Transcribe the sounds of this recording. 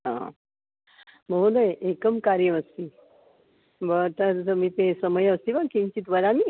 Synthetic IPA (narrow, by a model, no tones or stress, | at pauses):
ɦã̰ | m̤əɦũd̪əjʔekəmkaɾjəʋəst̪i | bət̪əɾəmiːt̪ẽsəməjəst̪iʋakĩɲt͡ɕiːt̪ʋəɾami